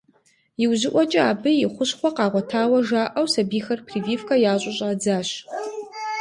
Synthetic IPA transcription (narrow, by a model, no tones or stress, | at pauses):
jɪwzɪʔʷɔt͡ʃʼɐaːbɨjɪχʷʊɕχʷɔqɑːʁʷɔtʰaːwɐʒaːʔɐwsɐbiːxɐrpʰriːviːfkʰɐjaːɕʼʊɕʼaːd͡zaːɕ